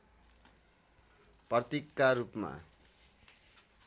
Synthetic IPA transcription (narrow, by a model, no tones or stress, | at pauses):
prʌt̪ikːaɾupma̰